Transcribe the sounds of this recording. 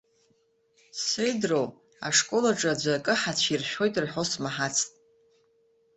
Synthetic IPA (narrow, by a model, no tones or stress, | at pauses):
sejdrow | a̰ʂkʼo̞laʈ͡ʂʼad͡ʒʷakʼɨħat͡ɕʷʰirʃᶣo̞jtʼrħo̞smaħat͡sʰtʼ